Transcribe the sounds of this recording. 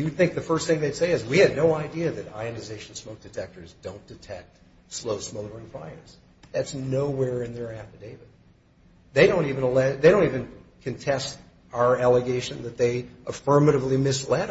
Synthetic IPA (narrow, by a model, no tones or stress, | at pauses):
ɨd̪̚θɪ̃ŋk̚ðɨfɜ˞st̪θɪ̃ŋðeɪseɪɨzwiɨdⁿnoʊaɪdiɨðɨɾa̰ɪɨnɨzeɪʃn̩smoʊk̚d̥ɨtʰɛk̚tə˞zdõʊ̃nd̥ɨtʰɛk̚t̚ | sloʊsmoʊɾə˞ɨ̃nfa̰ɪə̰˞z̥ | ðætsnoʊwɛɹɪ̃nðə˞æpɨdeɪvɨ | ðeɪɾõʊ̃ntivɨ̃nəlɛðeɪɾõʊ̃ntivɨ̃nkʰɨ̃ntʰɛst | aʊə˞ælˠəɡeɪʃɨ̃nðɨt̪̚ðeɪʔəfɜ̃˞mɨɾɨvlimɪslɛɾ